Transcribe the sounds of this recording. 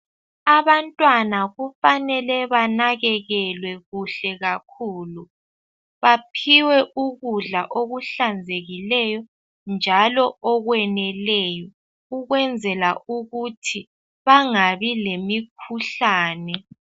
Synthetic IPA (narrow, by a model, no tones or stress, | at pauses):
aβantʼwanaɣufanɛlɛβanaɣɛɣɛlwɛɣuɬɛɣakʰuːlu | βapʰiwɛʔuɣuɮaʔoɣuɬand͡zʱeɣilɛjɔ | nd͡ʒʱalɔɔɣwɛnɛlɛjɔ | uɣwɛnd͡zʱɛlauɣutʰi | βaŋaβilemikʰuɬaːnɛ